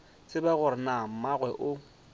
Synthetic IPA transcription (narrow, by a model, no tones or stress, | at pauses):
sɪbaɣʊɾɪnam̩maɣwɛʔʊ